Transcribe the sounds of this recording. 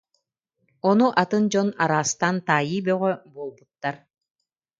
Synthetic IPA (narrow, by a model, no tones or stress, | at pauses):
ɔnuʔat̪ɯnd͡ʑɔna̰ɾaːst̪ant̪aːjiːbœʁœbuɔlˠbut̪ːaɾ